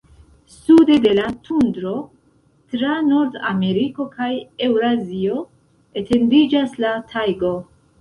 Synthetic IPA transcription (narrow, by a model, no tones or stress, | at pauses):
sude̞de̞latʰundɾo̞ | tɾano̞ɾda̰me̞ɾiko̞kʰaje̞wɾazio̞ | e̞te̞ndid͡ʒaslatʰajɡo̞